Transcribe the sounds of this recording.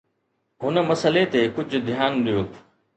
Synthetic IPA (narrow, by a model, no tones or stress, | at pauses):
ɦʊnə̆mɐsəlet̪ekʊd͡ʑʱʊ̆d̪ʱijaːnɗijoː